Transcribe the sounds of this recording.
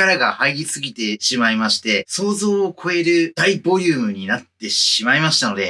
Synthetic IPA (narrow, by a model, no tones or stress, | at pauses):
aɾaɡahaiɾʲisɨɡʲit̪e̞ɕimaimaɕi̥t̪e̞so̞ːzo̞ːkʰo̞e̞ɾɯ̟d̪̥aibo̞ɾʲɯːmɯ̟ɲ̟inat̪ːe̞ɕimaimaɕi̥t̪ano̞d̪e̞